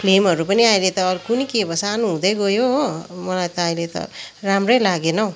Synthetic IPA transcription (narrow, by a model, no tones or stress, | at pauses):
pʰlemɦʌɾupʌniaĩlet̪ʌːɾukunikebʌsanuɦũd̪ʌjɡʌjomʌlajt̪ʌːĩlet̪ʌ̰ramrʌjlaɡenʌw